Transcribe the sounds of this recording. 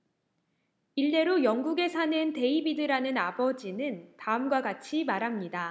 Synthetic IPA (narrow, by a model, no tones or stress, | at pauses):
iɭːe̞ɾojʌŋɡuɡe̞sʰanɯnte̞ibidɯɾanɯnabʌd͡ʑinɯntaɯmɡwaɡat͡ɕʰimaɾɦamɲida